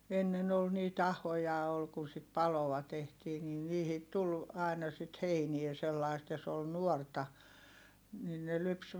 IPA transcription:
enːen ol niːt ɑhojɑ ol kun sit pɑloɑ tehtiː nin niːhit tul ɑˑi̯nɑ sit heiniɛ selːɑist jɑ s ol nuortɑ nin ne lyps

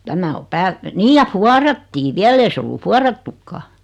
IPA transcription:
tæmæ o pæːlt niːj jɑ fuɑrɑtːiː ʋiæl ei se olːu fuɑrɑtːukːɑː

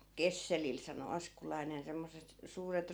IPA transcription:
kesːelil sɑno ɑskulɑinen semːosˑet suːret

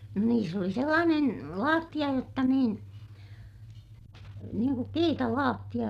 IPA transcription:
no niːs oli selːɑːnen lɑːtːij̆ɑ jotːɑ niːn niːŋ kuk kiːtɑlɑːtːij̆ɑ

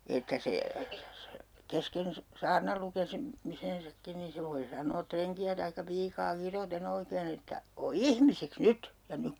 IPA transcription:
etːæ se kesken se sɑːrnɑl lukesi misensɑkːin ni se ʋoi sɑnˑoː treŋkiæ tɑikːɑ piːkɑː kiroten oikeːn etːæ o ihmisiks nyt jɑ nyk

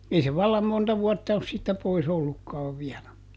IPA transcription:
ei se ʋɑlːɑm montɑ ʋuɔtːɑ os siːtːæ pois olːukːɑːʋ ʋiælæ

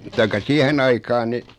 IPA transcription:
tɑikːɑ siæhen ɑikɑːn ni

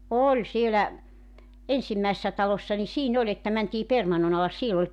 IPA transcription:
olʲ sielæ ensimːæisːæ tɑlosːɑ ni siːn olʲ etːæ mæntiː permɑnːon ɑlɑs siel olʲ

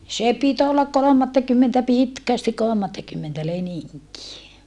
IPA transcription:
sˑe pit olːɑk kolomɑtːɑkymːentæ pitkæstik kolŏmɑtːɑkymːentæ leniŋkie

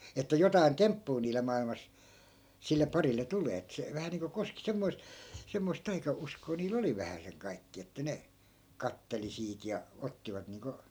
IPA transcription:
etːæ jotɑi̯n tempːuː niːle mɑilmɑs silːe pɑrilːe tuleː et se ʋæhæ niːŋko koski semːoi̯st̆ semːoist tɑikɑuskoː niːl oli ʋæhæseŋ kɑikːiɑ etːæ ne kɑtːeli siːt jɑ otːiʋɑt niːŋko

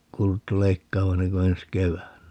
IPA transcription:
kuːlutːu leikːɑːʋɑ enːeŋ ko ens keʋæːnːæ

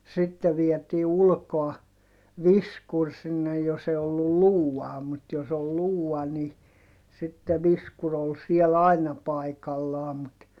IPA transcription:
sitːe ʋietiː ulkoɑ ʋiskur sinːe jos e olːu luːɑː mut jos ol luːɑ ni sitːe ʋiskur ol siɛl ɑinɑ pɑikɑlːɑː mut

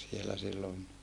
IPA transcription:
sielæ silːon

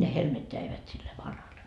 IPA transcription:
ne helmet jæiʋæt silːe ʋɑnhɑlːe

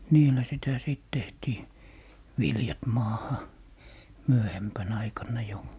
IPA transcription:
niːlːæ sitæ siˑt tehtiː ʋiljɑt mɑːhɑ myøhempæn ɑikɑnːɑ jo

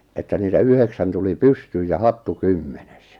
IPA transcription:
etːæ niːtæ yheksæn tuli pystyːj jɑ hɑtːu kymːenes

